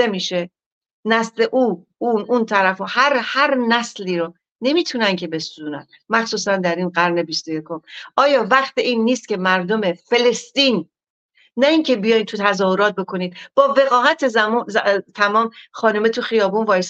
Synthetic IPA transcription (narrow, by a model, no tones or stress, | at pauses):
emiːʃe̞ | næsle̞ʔuː | ununt̪ʰæɾæfohæɾhæɾnæsliːɾo | ne̞miːt̪ʰunæncʰe̞be̞suzuːnæ̰n | mæxsuːsænd̪æɾiːnɢæɾne̞bist̪oje̞kʰo̞mʔɒːjɒːvæχt̪iʔiːnːiːst̪̚cʰʲe̞mæɾd̪o̞mefe̞le̞st̪iːnː | æiːŋcʰe̞bijɒjnt̪ʰut̪ʰæzɒːho̞ɾɒːt̪̚bo̞kʰo̞niːd̪̥̚b̥ɒːve̞ɣɒːhæt̪ʰezæmzt̪ʰæmɒːmxɒːnomet̪ʰuxijɒːbunvɒːjes